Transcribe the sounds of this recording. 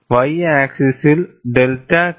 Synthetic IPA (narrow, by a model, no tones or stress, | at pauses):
ʋɐjaːksɪsɪlɖɛlʈa